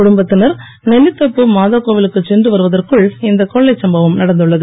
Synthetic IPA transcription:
kʊɽʊmbɐt̪ːɪnɐɾ | nɛlːɪt̪ːɐpːɯmaːðaːkoːʋɪlɯkːɯt͡ʃːɛndrɯʋɐɾɯʋɐðɐrkɯɭɪnd̪ɐkːɔɭːɐɪsɐmbɐʋɯmnɐɽɐnd̪ɯɭːɐðɯ

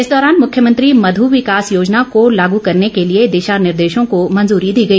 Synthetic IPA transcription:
ɪsd̪ɔːɾaːnmʊkʰjəmɐ̃nt̪ɾimɐd̪ʱuʋɪkaːsjoːd͡ʒnakolaːɡukɐɾnekelied̪eːʃaːnɪɾd̪eːʃõkomɐ̃nzuːɾid̪iːɡɐiː

